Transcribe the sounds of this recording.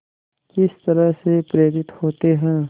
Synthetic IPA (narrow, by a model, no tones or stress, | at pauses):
kɪst̪ɐɾəɦsepɾeːɾɪt̪hoːt̪eɦɛ̃ː